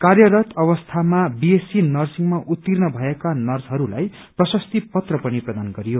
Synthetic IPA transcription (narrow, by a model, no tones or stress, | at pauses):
karjʌɾʌt̪ʌβʌst̪ʰamabiesinʌrsiŋmaʔut̪ːirnʌbʱʌekanʌrsɦʌɾula̰j | prʌsʌst̪ipʌt̪rʌpʌniprʌd̪anɡʌɾijo